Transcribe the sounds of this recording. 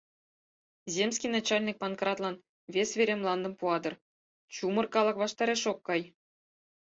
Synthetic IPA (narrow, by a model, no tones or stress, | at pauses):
zʲemʲsʲkʲijnɑt͡ɕɑlʲnʲik̚pɑnkrɑt̪lˠɑn | vʲesvʲeɾʲemlˠɑnd̪ɤ̆mpuɑd̪ɤ̆r | t͡ɕumɤ̆rkɑlˠɤ̆kʋɑʂt̪ɑɾʲeʂokːɑj